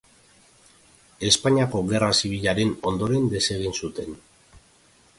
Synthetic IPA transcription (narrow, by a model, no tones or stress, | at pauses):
e̞spaɲiako̞ɣe̞rasiβ̞iʎaɾe̞no̞nd̪o̞ɾe̞nd̪e̞se̞ɣ̞insut̪e̞n